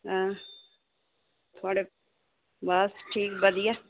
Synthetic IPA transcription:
ãː | t̪ʰaːɽe | baːsʈʰiːkbɐd̪ija

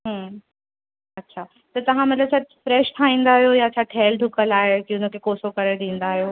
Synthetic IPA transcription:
ɦə̃ | ɐtːɕʰaː | t̪ɐt̪ɐʋ̤ãmɐt̪ləbt͡ɕʰɐfɾɛːʃt̪ʰaĩːn̆d̪aːɦjojat͡ɕʰaʈʰeːlɖʱʊkəlaːɦekĩʊn̤əkʰekoːsokɐɾed̪ĩːnd̪aːɦijoː

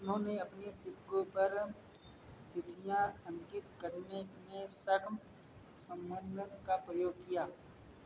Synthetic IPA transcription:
ʊnɦõːneɐpnesɪbɡõpɐɾ | t̪ɪʈ̪ʰijãsə̃ŋkɪt̪kəɾnenẽsɐkʰm | sə̃mbənd̪ət̪kapɾəjoːɡ̚kijaː

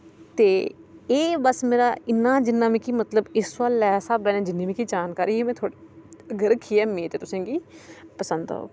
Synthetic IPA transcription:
t̪eːeːbəsmeːɾa̰ːɪnːaːd͡ʒɪnːãːmĩːkiːmət̪ləbɪsʋaːlːɛːsaːbɛːnɛ̃ːd͡ʒɪnːẽːmĩːkiːd͡ʒaːnkaːɾiːeːmɛ̃ːt̪ʰoːɽəɡəɾkʰːiːɛːmẽːt̪eːt̪ʊsẽːɡiːpəsə̃nd̪a̰o̰ː

